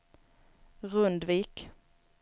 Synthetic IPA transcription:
ʁɵnd̪viːk

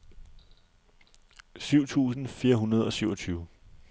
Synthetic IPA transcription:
syʊ̰t͡sʰṵːsn̩fiːɐɦunɐð̞ˠɒ̽syʊɒ̽t͡sʰyːʊə

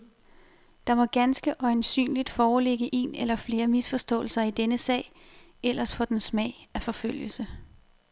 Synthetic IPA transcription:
d̥ɑ̈mɒ̽ɡ̥ænsɡ̥əʔɒ̽ensy̰ːnlid̥fɒːle̝ɡ̥əʔe̝̰ːnelɐfle̝ːɐmisfɒ̽sd̥ɔ̰̽ːl̩sɐid̥enəsɛ̰ɪ | el̰ʔɐsfɒ̽d̥ensmɛ̰ɪæfɒ̽føl̰jəl̩sə

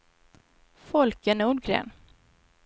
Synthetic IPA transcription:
fɔlkənuːɖɡɾḛːn

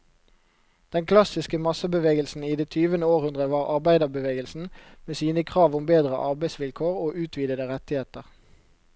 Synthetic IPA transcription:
d̪̥ɛnkʰlɑsɪskəmɑsəbəʋeːɡəlsn̩iːd̪eːt̪ʰyːʋənəoːʁhʉnd̪ʁəʋɑːʁʔɑʁbæɪd̪əʁbəʋeːɡəlsn̩meːsiːnəkʰʁɑːʋʊmbeːd̪ʁəʔɑʁbæɪsʋɪlkʰoːʁoːʔʉːt̪ʰʋiːd̪əd̪əʁɛt̪ɪheːt̪əʁ

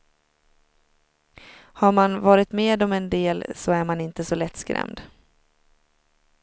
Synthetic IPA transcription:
haɾmanvɑːɾɪt̪meːd̪ɔmɛnd̪eːlsɔæɾmanɪnt̪əsɔlɛt̪ːskɾɛ̰md̪

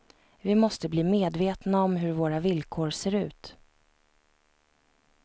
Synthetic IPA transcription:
vɪmɔst̪əbliːmeːd̪veːt̪naɔmɦɵɾvoːɾavɪlkʰoːɾseːɾʉ̟ːt̪

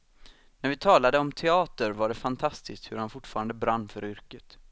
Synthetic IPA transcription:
næɾvɪt̪ʰɑːlad̪əɔmt̪ʰɛɑːt̪əɾvaɖɛfant̪ʰast̪ɪst̪hɵɾhanfʊʈːfɑːɾand̪əbɾanːfœɾʏɾkət̪

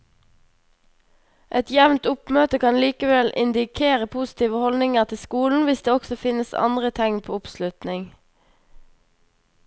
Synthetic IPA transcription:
ʔɛt̪jɛʋnt̪ʊpmøːt̪əkʰɑnliːkəʋɛlʔɪ̰nd̪ɪkʰeːʁəpʰusɪ̥t̪iːʋəhɔlnɪŋəʁt̪ʰɪskuːln̩ʋɪsd̪eːɔksɔfɪnəsɑ̰nd̪ʁət̪ʰɛŋpʰo̰ːʊpslʉt̪nɪŋ

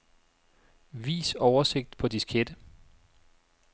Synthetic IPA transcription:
ʋḭːsɒʊɐse̝ɡ̥̚d̥pʰɒ̽d̥iskʰed̥ə

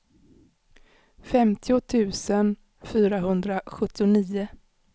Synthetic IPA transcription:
fɛmt̪ʰɪʊt̪ʰʉ̟ːsən | fyːɾaɦɵnd̪ɾaɧɵt̪ːɪʊniːʊ

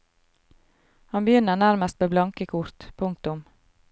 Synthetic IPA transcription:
hɑnbəjʏnəɳæɾməst̪meːblɑŋkəkʰʊɾt̪pʰʊŋk̚t̪ʊm

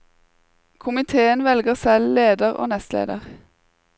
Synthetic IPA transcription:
kʰʊmɪt̪ʰeːənʋɛlɡəʁsɛlleːd̪əʁo̰ːnɛst̪lḛːd̪ə̰ʁ

